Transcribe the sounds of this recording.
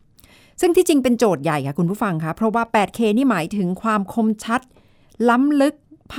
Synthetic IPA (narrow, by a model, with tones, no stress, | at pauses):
sɯ˥˩ŋt̪ʰiː˥˩t͡ɕi˧ŋpe˧nt͡ɕoː˨˩t̪̚ja˨˩jkʰa˥˩kʰu˧npʰuː˥˩fa˧ŋkʰa˦˥pʰɾɔ˦˥waː˥˩pɛː˨˩t̪̚kʰeː˧niː˥˩maː˩˦jt̪ʰɯ˩˦ŋkʰwaː˧mkʰo˧mt͡ɕʰa˦˥t̪̚ | la˦˥mlɯ˦˥k̚pʰ